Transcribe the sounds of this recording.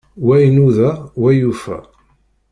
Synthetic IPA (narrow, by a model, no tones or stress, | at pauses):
wæjnuðæwæjufæ̰